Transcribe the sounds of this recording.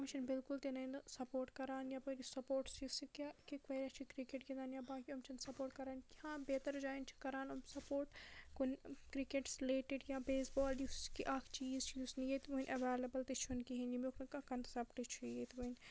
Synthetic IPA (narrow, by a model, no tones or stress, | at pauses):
ɐmt͡ʃʰɐnbɪlkʊlt̪enɐinsɐpoːɾʈkɐɾaːnjaːpɐɾisɐpoːɾʈsisikakikʋeːɾɐt͡ʃʰikɾikeʈɡid̪aːnjabaːkiɐmt͡ʃʰɐnsɐpoːɾʈkɐɾaːnkihãːbeːt̪ɐɾd͡ʒaːint͡ʃʰi̥kɐɾaːnɐmsɐpoːɾʈkunkɾikeʈsleːʈɪɖjaːbeːsbɔːlɖikiʔaːkʰt͡ʃiːzt͡ʃʰijusnijet̪ʋunʔɐʋeːlɐbɐlt̪it͡ʃʰunkiɦind͡ʒimokʰnɐkɐkɐnt̪sɐpʈit͡ʃʰujet̪ʋun